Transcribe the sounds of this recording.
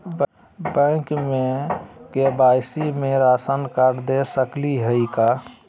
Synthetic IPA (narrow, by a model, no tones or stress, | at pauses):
bə̃kmekebaɪsimeɾasənkaɾd̪esəkliɦəika